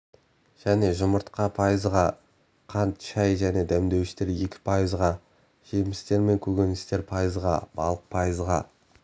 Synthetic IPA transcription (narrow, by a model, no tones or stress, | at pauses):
ʒ̥æne̞ʒʊməɾt̪qɑpʰɑjəzʁɑ | qʰɑnt̪ʃɑjʒæne̞d̪æmd̪e̞wɪʃt̪e̞ɾe̞kʲɪ̥pʰɑjəzʁɑ | ʒ̥e̞mɪst̪e̞ɾme̞ŋkʲʰɵɡʲe̞nɪst̪e̞ɾpʰɑjəzʁɑ̰b̥ɑ̰lˠəq̚pʰɑjəzʁɑ